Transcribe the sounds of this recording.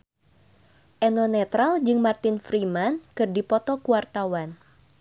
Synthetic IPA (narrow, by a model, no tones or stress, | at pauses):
ʔɛnɔnɛt̪ɾald͡ʒɨŋmart̪ɪnfɾimankɨrdipɔt̪ɔkuwart̪awan